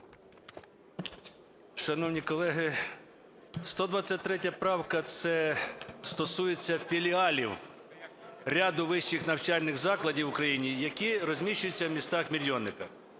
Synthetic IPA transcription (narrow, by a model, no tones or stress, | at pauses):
ʃɐnɔwnʲikɔlˠɛɦɪ | st̪ɔd̪ʋɑt͡sʲːɐt̚ʲt̪ɾɛt̬ʲɐpɾɑwkɐt̪sɛst̪ɔsujet͡sʲːɐfʲilʲiɑlʲiw | ɾʲɑd̪ʊʋɪʃt͡ʃɪxnɐwt͡ʃɑlʲnɪɣzɑklˠɐdʲiwʊkɾɐjinʲijɐkʲiɾɔzʲmʲiʃt͡ʃʊjʊt͡sʲːɐwmʲist̪ɑxmʲilʲjɔnːɪkɐ